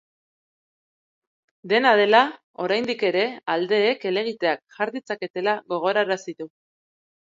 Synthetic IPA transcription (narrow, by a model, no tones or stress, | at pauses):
d̪e̞nað̞e̞la | o̞ɾajnd̪ike̞ɾe̞ald̪e̞ːke̞le̞ɣ̞it̪e̞akʝaɾðit͡sake̞t̪e̞laɣo̞ɣ̞o̞ɾaɾasit̪u